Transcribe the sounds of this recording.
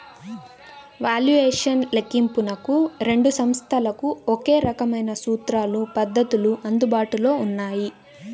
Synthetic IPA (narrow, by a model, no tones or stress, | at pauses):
ʋaːljuʋeːʂɐnlekimpunɐkuɾe̞ɳɖusɐmst̪ʰɐlɐkuoke̞ːɾɐkɐmɐjnɐsuːt̪ɾaːlupɐd̪ːɐt̪uluʔɐnd̪ubaːʈulo̞ːunːaːji